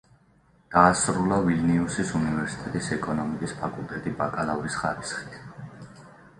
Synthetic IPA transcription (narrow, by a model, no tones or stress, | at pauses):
d̪̥aːsɾulˠavilniusisunivɛɾsi̥t̪ʼɛt̪ʼisɛkʼɔnɔmikʼispʰakʼulˠt̪ʼɛt̪ʼibakʼalaɾisχaɾisχi̥t̪ʰ